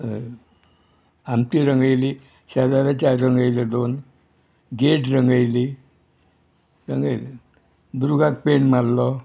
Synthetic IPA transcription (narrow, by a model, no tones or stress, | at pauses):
amt̪iɾəŋɡəjli | ɕad̪aɾat͡ɕaɾɾəŋɡajled̪on | ɡeʈɾəŋɡajli | ɾəŋɡajli | d̪uɾuɡak̚peɳmalːɔ